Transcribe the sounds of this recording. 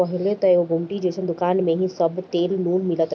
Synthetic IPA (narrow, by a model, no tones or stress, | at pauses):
ɐɦɪlet̪ɐeɦoɡʱʊmʈid͡ʑeːsʰə̃d̪ʊkaːnmẽɦĩsɐbt̪eːlnuːnmɪlət̪